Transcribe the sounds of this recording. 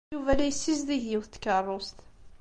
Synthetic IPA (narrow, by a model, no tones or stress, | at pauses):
uvælæjsːisðiɦjɪwθt̪ːkərˤːost̪